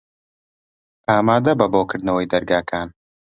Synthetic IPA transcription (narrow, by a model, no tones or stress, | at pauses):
aːmaːd̪ɐbɐboːkɨɾd̪nɐwɐjd̪ɐɾɡaːkʰaːn